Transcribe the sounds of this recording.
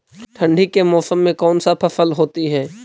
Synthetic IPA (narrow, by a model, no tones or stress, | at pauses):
ʈʰɐ̃ɳɖʱikemɔːsəmːẽkɔːnsapʰɐfəlɦoːt̪iɦɛː